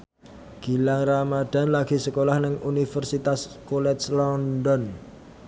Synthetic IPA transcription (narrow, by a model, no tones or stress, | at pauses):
ɡ̥i̤laŋramad̥a̤nlaɡ̥i̤səkolahnɪŋʔunifərsit̪askolɛt̪slɔndɔn